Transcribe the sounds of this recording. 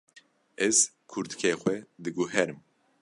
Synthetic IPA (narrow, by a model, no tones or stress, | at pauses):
ɛz̥ | kʰuɾt̪ɨ̥kʰeːxwɛd̪ɨɡuɦɛɾɨm